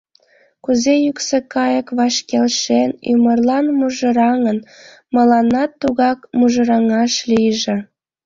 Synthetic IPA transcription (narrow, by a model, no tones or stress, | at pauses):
kuzejyksekɑjəkβɑʃkelʃeny̰mərlɑnmuʒə̆ɾɑŋən | məlɑnɑt̪ːuɣɑkmuʒə̆ɾɑŋɑʃlijʒĕ